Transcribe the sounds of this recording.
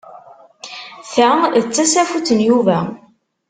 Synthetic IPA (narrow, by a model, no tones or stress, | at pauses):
θæət͡sːæsæfut͡sənjuvæ